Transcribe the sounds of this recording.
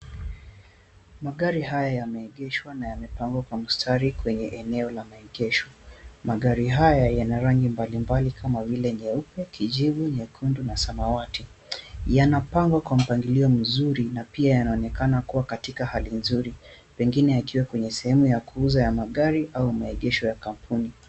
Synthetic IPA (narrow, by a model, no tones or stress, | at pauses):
maɠaɾiɦajajamɛɛɠɛʃwanajamɛpaŋɡwakwam̩stʰaɾikwɛɲɛʔɛnɛɔlamaɛɠɛʃɔ̥maɠaɾiɦajajanaɾaŋɡimbalimbalikʰamavilɛɲɛupɛkʰiʄivuɲɛkʰundunasamawati | janapaŋɡwakwam̩paŋɡiliɔm̩zuɾinapiajanaɔnɛkanakuwakatikahalinzuɾi | pɛŋɡinɛjakiwɛkwɛɲɛsɛhɛmujakuuzajamaɠaɾiʔaumaɛʄɛʃɔjakam̩pʰuni